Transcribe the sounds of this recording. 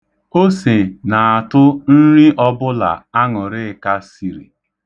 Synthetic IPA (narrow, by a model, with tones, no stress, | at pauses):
o˦se˨na˨a˨tʊ˦n̩˦ɾi˦ʔɔ˦bʊ˦la̰˨a˦ŋʊ˨ɾɪ˦˨ka˦si˨ɾḭ˨